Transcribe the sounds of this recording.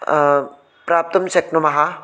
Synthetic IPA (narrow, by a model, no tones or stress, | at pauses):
pɾaːp̚t̪ɐmʃɐknumɐɦa